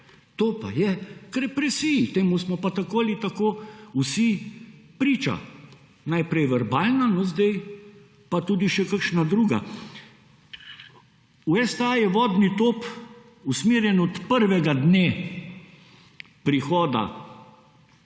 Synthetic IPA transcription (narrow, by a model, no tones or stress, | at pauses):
t̪oːpa̰jɛkɾɛpɾɛsiit̪eːmusmɔpat̪akoːlit̪akousipɾiːt͡ʃa̰ | najpɾɛjʋɛɾbaːlnanɔzd̪ɛj | pat̪uːd̪iʃɛkəkʃnad̪ɾuːɡa̰ | uɛst̪ajɛʋɔːd̪nit̪oːp | usmeːɾjɛnɔt̪pəɾʋɛɡad̪neː | pɾixɔːd̪a̰